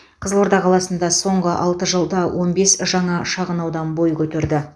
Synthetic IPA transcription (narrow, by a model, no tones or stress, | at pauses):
qʰəzəlˠoɾd̪ɑqʰɑlˠɑsənd̪ɑso̞ɴʁəʔɑlˠt̪əʒəlˠd̪ɑwo̞nbe̞sʒɑɴɑʃɑʁənɑwd̪ɑnbo̞jkʲʰɵt̪eɾd̪ɪ